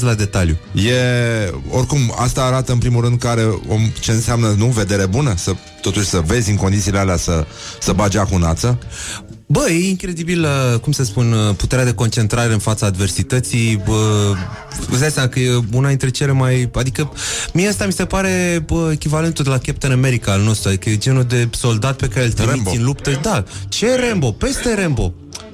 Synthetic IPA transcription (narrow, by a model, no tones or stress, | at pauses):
lad̪e̞t̪aljuje̞ | o̞rkuma̰st̪aːɾat̪əɨnpɾimulɾɨnd̪̚kəaɾe̞o̰mt͡ʃe̞ɨnseamnənuve̞d̪e̞ɾe̞bunəsə | t̪o̞t̪uʃʲsəve̞zʲɨŋko̞nd̪it̪silealeasə | səbad͡ʒakunat̪sə | bəje̞iŋkɾe̞d̪ibiləkumsəspunəput̪e̞ɾead̪e̞ko̞nt͡ʃe̞nt̪ɾaɾe̞ɨnfat̪saːd̪ve̞rsit̪ət̪sijə | ɨ̰zd̪asamakəjeunad̪int̪ɾe̞t͡ʃe̞le̞majad̪ikəmieəst̪amise̞paɾe̞əekʲivale̞nt̪ud̪elakʲep̚t̪əname̞ɾikaːlno̞st̪ɾuad̪ikəjed͡ʒe̞nud̪e̞so̞ld̪at̪̚pe̞kaɾelt̪əeiiɨnlupt̪əd̪at͡ʃe̞ɾe̞mbo̞pe̞st̪e̞ɾe̞mbo̞